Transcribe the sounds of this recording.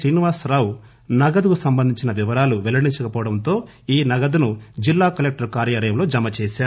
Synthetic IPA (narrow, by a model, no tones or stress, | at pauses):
sɾiːniʋaːsɾaːw | nɐɡɐd̪ukusɐmbɐnd̪ʱiɲt͡ʃinɐʋiʋɐɾaːluʋɛlɐɽiɲt͡ʃɐkɐpɔːʋɐɽɐnt̪o̞ː | iːnɐɡɐd̪unud͡ʒilːaːkɐlek̚ʈɐɾkaːɾjaːlɐjɐmlo̞ːd͡ʒɐmɐt͡ʃɛːʃaːu